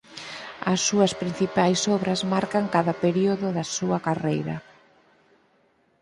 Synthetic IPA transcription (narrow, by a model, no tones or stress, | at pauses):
ɐsːuɐspɾin̟θipajsɔβɾɐzmaɾkaŋkaðɐpeɾioðʊðɐsuɐkarejɾɐ̰